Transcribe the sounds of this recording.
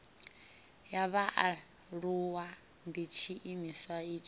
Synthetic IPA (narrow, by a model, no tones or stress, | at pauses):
jaβaʔa | ɺuwa | ndit͡ʃʰiʔimiswaiːt͡ʃʰʼi